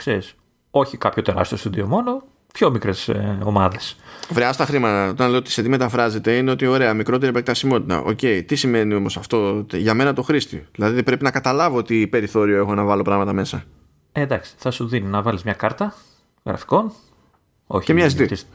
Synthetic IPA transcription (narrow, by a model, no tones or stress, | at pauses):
kseɾis | o̞çikɐpço̞t̪e̞ɾɐ̰st̪eost̪uðiomo̞no̞ | pço̞mikɾeso̞mɐðe̞svɾeɐst̪ɐxɾimɐt̪ɐot̪ɐnlejoot̪iset̪ime̞t̪ɐfɾɐze̞t̪e̞ine̞o̞t̪io̞ɾe̞ɐmikɾo̞t̪e̞ɾiepek̚t̪ɐsimo̞t̪it̪ɐ̰ʔo̞̰ce̞it̪isime̞nio̞mo̞sɐft̪o̞t̪ʝɐme̞nɐt̪o̞xɾist̪iðilɐðiðipɾe̞pinɐkɐt̪ɐlɐvoot̪ipe̞ɾiθo̞ɾioe̞xo̞nɐvɐlo̞pɾɐɣmɐt̪ɐme̞sɐ | ed̪ɐksi̥θɐsuðininɐvɐlizmɲɐkɐɾt̪ɐ | ɣɾɐ̰fi̥ko̞n | o̰çcemɲɐsit̪i